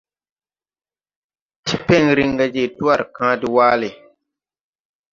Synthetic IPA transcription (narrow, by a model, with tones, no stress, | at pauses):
tʰi˦pɛ˦ŋ˨ɾi˦ŋ˦ɡa˦d͡ʒe˦˨tu˦a˦˨ɾɨ˨kãː˦dɪ˦waː˦lɪ˨